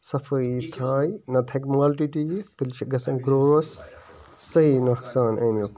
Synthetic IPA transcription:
sɐfʰɐit̪ʰaːjnɐd̪ʰʱɐkmaːlʈiʈit̪ɨlt͡ʃʰɐɡɐsɐ̃mɡɾoːɾɐsː | ɐɦinɐksaːnɐ̰mjok

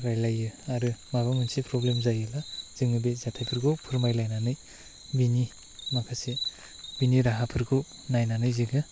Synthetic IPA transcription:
ɾajlajɯaɾɯmaβamunsipʰɾoblemzajɯlaz̥iŋɯbezatʰajpʰɯɾɡupʰɯɾmajlajnanɯj | bini | makʰasi | biniɾaɦapʰɯɾɡɯ | najnanɯjziɡɯ

